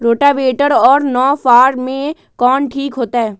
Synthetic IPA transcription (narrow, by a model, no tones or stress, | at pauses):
ɾoːʈaʋeːʈəɾɔːɾnɔːfaːɾmẽ | kɔːnʈʰiːkɦoːt̪aɦɛː